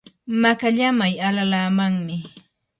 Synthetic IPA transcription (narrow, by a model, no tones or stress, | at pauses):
makaʎamajalalaːmaŋmɪ